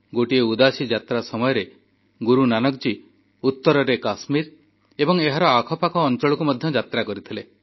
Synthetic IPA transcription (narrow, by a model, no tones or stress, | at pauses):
ɡoʈieud̪asid͡ʒat̪ɾasɔmɔjɔɾe | ɡuɾunanɔk̚d͡ʒi | ut̪ːɔɾɔɾekasmiɾ | ebɔŋeɦaɾɔakʰɔpakɔːnt͡ʃɔɭɔkumɔd̪ʱjɔd͡ʒat̪ɾakɔɾit̪ʰile